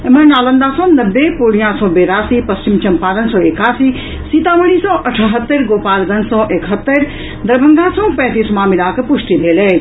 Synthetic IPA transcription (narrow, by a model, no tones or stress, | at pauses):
emənaːlə̃nd̪aːsɔ̃ːnɐbːepoːɽijãsɔ̃ːbeːɾaːsiːpɐst͡ʃimt͡ʃɐmpaːɾənsɔ̃ːekaːsi | siːt̪aʋɐɽ̃isɔ̃ːʔɐʈʰɦət̪ːəɾɡoːpaːlɡɐnsɔ̃ːʔekɦət̪ːəɾ | d̪ɐɾbʱɐ̃ŋɡãːsɔ̃ːpɛ̃ːt̪iːsmãːmilaːkpʊʂʈ̪ibʱeːleː